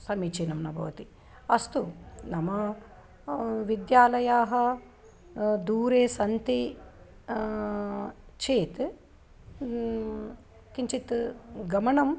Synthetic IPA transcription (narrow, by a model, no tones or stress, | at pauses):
sɐmit͡ʃinɐmnɐbʱɐʋɐt̪i | ɐst̪unɐmɐ | ʋid̪jaːlɐjaːɦɐ | d̪uːɾeːsɐnt̪i | t͡ʃeːt̪ | kiɲt͡ʃit̪ɡɐmɐɳɐm